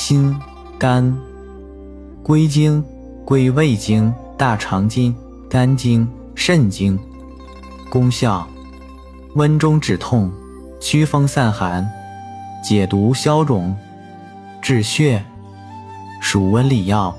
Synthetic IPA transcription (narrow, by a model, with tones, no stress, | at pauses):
ɕi˥n | ka˥n | kwe˥ɪt͡ɕi˥ŋ | kwe˥ɪwe˥˩ɪt͡ɕi˥ŋt̪a˥˩ʈ͡ʂʰɑ˧˥ŋt͡ɕi˥ŋ | ka˥nt͡ɕi˥ŋ | ʂə˥˩nt͡ɕi˥ŋ | kʊ˥ŋɕjɑ˥˩ʊ | wə˥nʈ͡ʂʊ˥ŋʈ͡ʂɻ̩˨˩t̪ʰʊ˥˩ŋ | t͡ɕʰy˥fɤ˥ŋsa˥˩nxa˧˥n | t͡ɕjɛ˨˩t̪u˧˥ɕjɑ˥ʊʈ͡ʂʊ˨˩˦ŋ | ʈ͡ʂɻ̩˥˧ɕɥɛ˥˩ | ʂu˨˩wə˧˥nli˨˩jɑ˥˩ʊ